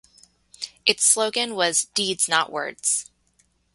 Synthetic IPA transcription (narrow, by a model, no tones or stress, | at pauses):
ʔɨtsloʊɡɨ̃nwʌzdidz̥nəʔwɜ̰˞dz̥